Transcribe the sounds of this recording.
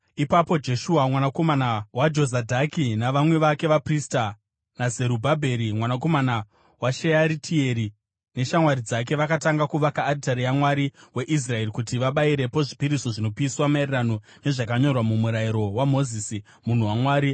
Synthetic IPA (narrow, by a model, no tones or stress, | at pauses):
ipapo̞d͡ʒe̞ʃuamwanako̞manawad͡ʒo̞zadʱakinaʋamwe̞ʋake̞ʋaprista | naze̞ɾubʱabʱe̞ɾimwanako̞mana | waʃejaɾitʰie̞ɾi | ne̞ʃamwaɾid͡zak̬e̞ʋakataŋɡakuʋakaːdtaɾijamwaɾiwe̞ʔis̬rae̞rikutiʋaɓaiɾe̞po̞ʐipiɾiso̞ʐino̞piswamairirano̞ | ne̞ʐakaɲo̞rwamumuɾaiɾo̞wamo̞zisi | mun̤uwamwaːɾi